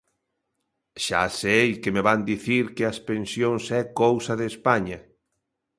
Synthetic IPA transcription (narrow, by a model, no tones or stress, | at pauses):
ʃa̰sejkemeβand̪iθiɾkeɐspensjõŋsɛkowsɐðespaɲɐ